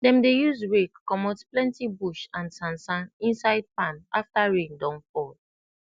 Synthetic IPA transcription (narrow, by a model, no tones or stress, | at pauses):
dɛ̃mdejuzɹekkːɔmɔtplɛ̃ntibuʃãnsãnsãnĩnsaɪd̚pãnaftaɹĩŋdɔ̃nfɔl